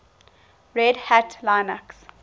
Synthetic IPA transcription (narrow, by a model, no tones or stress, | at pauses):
ɹɛdhæʈlãɪnəks